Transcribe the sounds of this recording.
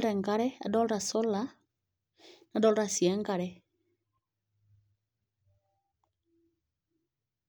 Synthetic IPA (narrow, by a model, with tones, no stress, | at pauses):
lɾɛ˨ŋɡa˦ɾɛ˦a̰˨dɔ˦lɾa˨sɔ˦la˦ | na˨dɔ˦lɾa˨si˨ɛ˦ŋɡa˨ɾɛ˨